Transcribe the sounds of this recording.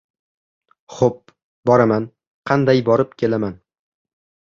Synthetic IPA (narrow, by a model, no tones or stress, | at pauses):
χop̚ | bɒɾaman | qʰɑnd̪ajbɒɾɪp̚kʲʰe̞laman